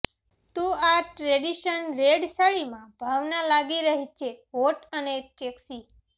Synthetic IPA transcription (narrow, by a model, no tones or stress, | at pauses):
t̪ũaʈɾeɖiʃənɾeɖsaɭimãbʱaʋnalaɡiɾəɦit͡ʃʰeʋoʈənet͡ʃeksi